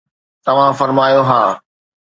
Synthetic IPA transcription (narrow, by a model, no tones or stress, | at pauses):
t̪ɐʋ̤ãfɐɾmaːjoɦaː